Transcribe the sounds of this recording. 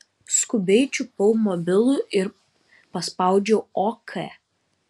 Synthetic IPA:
skʊbʲɛɪt͡ʃʲuˑpɔʊmɔbʲɪlˠuˑʔɪɾ | pɐspɑˑʊd͡ʒʲoɔkʰɛ

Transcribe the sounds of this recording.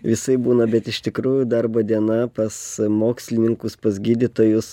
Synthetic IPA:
ʋʲɪsɐɪbuːnɐbʲɛt̪ɪʃt̪ʲɪkɾuːjud̪ɐɾboːd̪ʲiɛnɐpɐsmoːksʲlʲɪnʲɪŋkʊspɐsɡʲiːd̪ʲɪt̪oːjʊs

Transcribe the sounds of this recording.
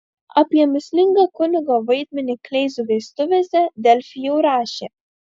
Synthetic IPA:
ɐpʲiɛmʲɪsʲlʲɪŋɡɑkʊnʲɪɡoʋɐɪd̪ʲmʲɛnʲiklʲɛɪzuʋʲɛɪst̪ʊʋʲeːsʲɛd̪ʲɛlʲfʲɪjɛʊɾɑːʃʲeː

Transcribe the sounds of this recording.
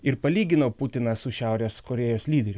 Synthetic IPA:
ɪɾpɐlʲiːɡʲɪnoːpʊt̪ʲɪnɐsʊʃʲæˑʊɾʲeːskɔɾʲɛːjoːslʲiːd̪ʲɛɾʲʊ

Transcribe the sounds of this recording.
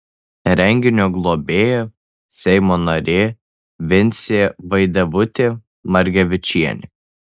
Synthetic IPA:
ɾʲɛŋʲɡʲɪnʲoɡlˠoːbʲeːjo | sʲɛɪmoːnɐɾʲeː | ʋʲɪnʲt̪sʲeːʋɐɪd̪ɐʋʊt̪ʲeː | mɐɾʲɡʲɛʋʲɪt͡ʃʲiɛnʲɪ

